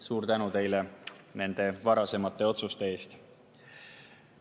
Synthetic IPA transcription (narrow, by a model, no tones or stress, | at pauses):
suːrt̪ænut̪e̞jlene̞nd̪̥e̞vɑɾɑse̞mɑt̪ːˑe̞o̞t̪sust̪e̞e̞ːst̪